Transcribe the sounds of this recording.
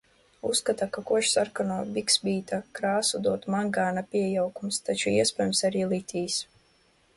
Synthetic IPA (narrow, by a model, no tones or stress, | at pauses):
ṵskat̪akakuɔʃsaɾkanuɔbʲiksbiːt̪akɾaːsud̪uɔt̪maŋɡaːnapʲiɛjawkumst̪at͡ʃuiɛspɛjumsaɾiːlˠit̪ʰʲiːs